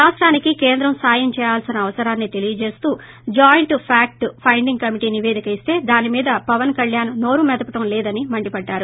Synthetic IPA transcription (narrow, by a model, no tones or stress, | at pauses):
ɾaːsʈɾaːnikikeːnd̪ɾɐmsaːjɐmt͡ʃɛːjaːlsinɐːʋɐsɐɾaːnːit̪e̞lijɐt͡ʃe̞ːst̪uː | d͡ʒaːjɳʈpʰaːk̚ʈpʰɐjɳɖiŋɡkɐmiʈiniʋe̞ːd̪ikɐist̪e̞ːd̪aːnimiːd̪ɐpɐʋɐnkɐljaːnːo̞ːɾumɛd̪ɐpɐʈɐmlɛːd̪ɐnimɐɳɖipɐɖːaːɾu